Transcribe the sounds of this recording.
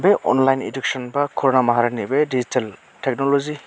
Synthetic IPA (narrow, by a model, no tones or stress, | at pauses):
beʔɔ̰nlajnḭduk̚sɔnbakʰɔɾɔnamaɦaɾanibedizitʰal | tek̚nɔlɔzi